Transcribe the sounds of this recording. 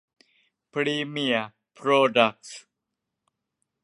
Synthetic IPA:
pɾiːmija | pɾoɖak̚s

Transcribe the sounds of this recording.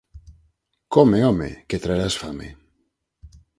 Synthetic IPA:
komeomḛket̪ɾaeɾasfamḛ

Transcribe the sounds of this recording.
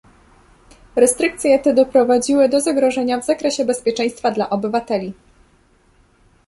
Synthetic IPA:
ɾɛst̪ɾɘk̚t̪sʲjɛt̪ɛd̪ɔpɾɔvad͡ʑiwɘd̪ɔzaɡɾɔʐɛɲavzakɾɛɕɛbɛspʲjɛt͡ʂɛ̃j̃st̪fad̪laʔɔbɘvat̪ɛlʲi

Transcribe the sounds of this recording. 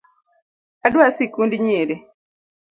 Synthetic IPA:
aɗwasikundiɲeɾe

